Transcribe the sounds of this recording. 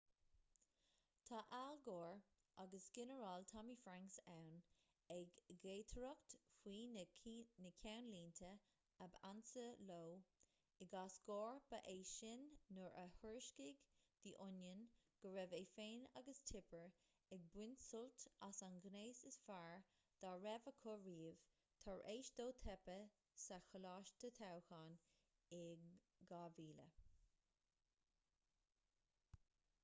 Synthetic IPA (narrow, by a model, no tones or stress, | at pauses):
t̪ʰɑʔalɡɔːɹ | ʔaɡəsɡ̥ɪnəɹɑlt̪ʰɑmiːfɹaŋksawn | ɛɡeːtʰəɹʊktfwiː | nəkʰjawnliːntʰə | əba̰nsəloː | ɪɡasɡ̥ɔːɹb̥aʔeːʃɪnːʊɹʔə̰həɹʃkɪɡ | d̪̥iʔʊnjənɡ̥əɹɛveːfeːna̰ɡəst̪ʰɪpəɹ | ɛɡ̚bwɪnsʊlt̪asanɡneːsɪsfaɹ | d̪̥aɹɛvəkʰʊɹiːv̥ | t̪ʰɔɹʔeːʃd̪̥oːt̪ʰɛpə | saxəlɑːʃt̪ʰət̪ʰawxaːn | ɪ | ɡaːviːlə̰